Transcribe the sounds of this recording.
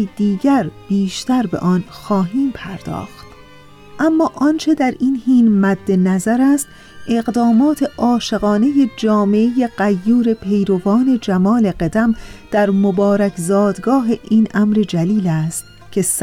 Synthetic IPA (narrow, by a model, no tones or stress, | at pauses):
d̪̥iːɟæɾb̥iːʃt̪æɾbe̞̰ʔɒːnxɒːɦiːmpʰæɾd̪̥ɒ̰ːxt̪ | ʔæmːɒːʔɒnt͡ʃʰe̞d̪æɾiːnhiːnmæd̪ːe̞næzæɾæst̪ | e̞ɣd̪ɒːmɒːt̪ʰe̞ʔɒːʃe̞ɣɒːne̞je̞d͡ʒɒːme̞ʔeje̞ɢæjːuːɾe̞pʰe̞jɾo̞vɒːne̞d͡ʒæmɒːle̞ɢed̪æmd̪̥æɾmobɒːɾæcʰzɒːd̪ɡɒːɦe̞ʔiːnʔæmɾe̞d͡ʒæliːlæːst̪ | cʰe̞s